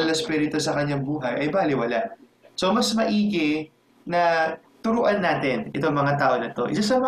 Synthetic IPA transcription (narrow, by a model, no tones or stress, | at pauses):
ɐlɐspiːɾɪt̪osɐkɐɲːaŋbuːɦɐjʔɐjbaːlɪwɐlaʔ | somɐsmɐʔiːkɪ | nɐ | t̪ʊɾuːʔɐnːaːt̪ɛnʔɛ̰t̪oŋmɐŋat̪aːʔo̞nɐt̪o̞̰ʔɪ̰sasɐmɐ